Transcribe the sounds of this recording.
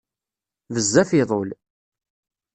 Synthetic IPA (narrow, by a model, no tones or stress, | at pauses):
vəzːæfɪðˤol